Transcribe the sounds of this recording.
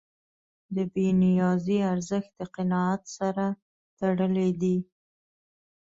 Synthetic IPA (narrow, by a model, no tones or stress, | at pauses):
d̪əbenijɑziaɾzəxt̪̚d̪əqɪnɑat̪saɾa | t̪aɽəled̪i